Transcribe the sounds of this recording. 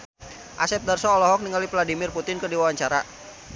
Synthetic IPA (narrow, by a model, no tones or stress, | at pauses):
ʔasɛp̚darsɔːlɔɦɔk̚niŋalivladimɪrput̪ɪnkədiwawaɲt͡ʃaɾa̰